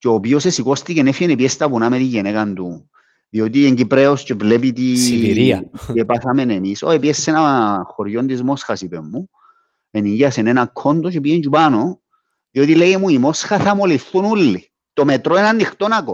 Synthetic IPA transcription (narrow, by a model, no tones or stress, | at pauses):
ceopiosesiko̞st̪icenefjenepiest̪ɐpunamet̪iɲːenekand̪u | ðio̞t̪ieɲɟipɾeoscevle̞pit̪iiɾiepaθame̞nemisoepiesːenaxoɾʝo̞nd̪izmo̞sxasipemːu | eniʝiɐsenenakʰːo̞nd̪ocepient͡ʃupano | ðio̞t̪ilejemuimo̞sxaθamoliθunulːi | t̪o̞met̪ɾoenanːixt̪onako